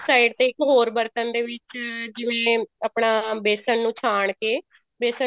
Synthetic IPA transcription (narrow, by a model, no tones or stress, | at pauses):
saːiɖt̪eːɪkɦoːɾbəɾt̪ənd̪eːʋɪt͡ʃd͡ʒɪʋẽːəpɳaːbeːsənːũːt͡ʃʰaːɳkeː | beːsə